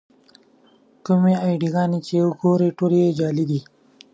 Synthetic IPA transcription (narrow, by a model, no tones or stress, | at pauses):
kʊmeɑjɖiɣɑːnet͡ʃeəɡoɾeʈolejed͡ʒɑːlid̪i